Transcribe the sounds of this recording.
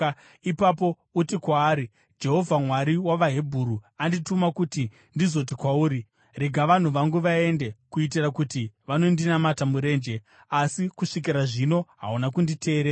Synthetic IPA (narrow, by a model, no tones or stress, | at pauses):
ipapo̞ | utikwaːɾi | d͡ʒe̞ɦo̞vʱamwaɾiwaʋaɦe̞bʱuɾuanditumakuti | ndizo̞t̬ikwauːɾi | re̞ɡʱaʋan̤uʋaŋɡuʋae̞nde̞kuit̬irakutiʋano̞ndinamatamuɾe̞ːnd͡ʒe̞ | asikuʂik̬iɾaʐino̞ɦa̰unakundite̞ːɾeɾa